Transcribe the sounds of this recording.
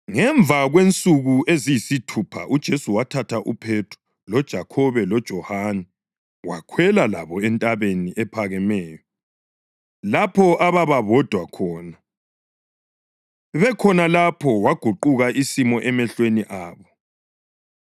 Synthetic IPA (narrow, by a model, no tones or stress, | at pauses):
ŋɛɱvʱaɣwent͡sʼuɣuʔezijisitʰupʰa̰ʔud̥ʒ̥ʱesuwatʰatʰaʔupʰetʰu̥ | lɔd̥ʒ̥ʱakʰɔβɛlɔd̥ʒ̥ʱɔhanɛ | wakʰwɛlala̰βɔɛntʼaβeniʔɛpʰaɣɛmɛːjɔ | lapʰɔʔaβaβaβɔd̥ʱwakʰɔːna | βɛkʰɔnalapʰɔwaɡ̥ʱuǃuɣaʔisimɔʔɛmɛɬweniʔaːβɔ